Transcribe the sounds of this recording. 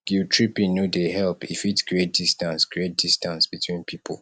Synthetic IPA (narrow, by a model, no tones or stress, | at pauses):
ɡ̥utʰɹipĩnodeɦɛlpifitkɹiet̚d̥istãnskɹiet̚d̥istãnsb̥itʰwĩnpʰipʰə̰l